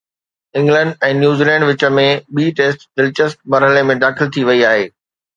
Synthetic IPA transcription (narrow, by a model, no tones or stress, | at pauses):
ɪ̃ŋɡlə̃ɳɖɛ̃ːnjuːziːlɛ̃ːɳɖʋɪt͡ɕə̆mẽɓiːʈeːsʈdɪlt͡ɕəsʈ̚mɐɾɦəlemẽd̪aːxɪlt̪ʰiʋɐiaːɦeː